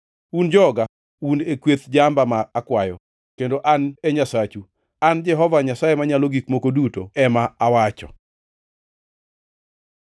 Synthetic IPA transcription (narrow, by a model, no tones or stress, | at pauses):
und͡ʒɔɡa | unekwet̪d͡ʒambamaːkwajɔ | kendoʔaneɲasat͡ʃu | and͡ʒɛɦɔvaɲasajemaɲaloɡikmokodutoɛmaawat͡ʃɔ̰